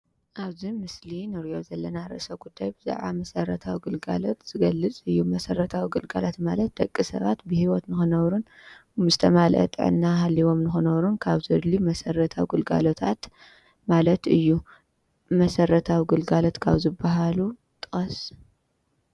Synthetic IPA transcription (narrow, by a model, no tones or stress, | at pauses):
ʔaβzimɨslinɨɾijo̞zɐlːɐnaɾɨʔɨsɐɡud̪ːajbɨza̰ʕa̰mɐsɐrɐt̪ʰawiɡɨlɡa̰lo̞t̪z̥ɨɡɐlːɨt͡sʼɨjːumɐsɐrɐt̪ʰawiɡɨlɡalat̪malɐt̪̚d̪̥ɐkʼːisɐ̰βa̰t̪bɨhiwɔt̪nɨxɨnɐβɾunzɨt̪ʰɐmalʔɐ̰t̪ʼɨ̰ʕɨ̰nːaɦalːiβo̞mnɨxɨnɐβɾunkʰaβzɨd̪limɐsɐrɐt̪ʰawɡɨlɡa̰lot̪ʰat̪ | malɐt̪ɨjːu | mɐsɐɾɐt̪ʰawiɡɨlɡalo̞t̪kʰa̰βzɨbːaɦalu | t̪ʼɨxʼɐs